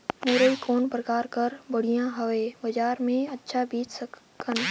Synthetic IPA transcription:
muːɾəikoːnpɾəkaːɾkəɾbəɽ̤ijãɦəʋebəd͡ʒaːɾmẽətːʃʰabiːt͡ʃsək | kʰən

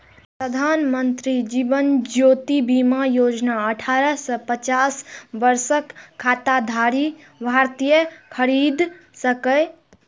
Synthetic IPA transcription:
pɾəd̪ʱanmənt̪ɾid͡ʒibənd͡ʒot̪ibimajod͡ʒnaəʈʰaɾəsəpət͡ʃasʋəɾsəkʰːat̪ad̪ʱaɾi | bʱaɾt̪ijəkʰəɾid̪ | səkəɪ

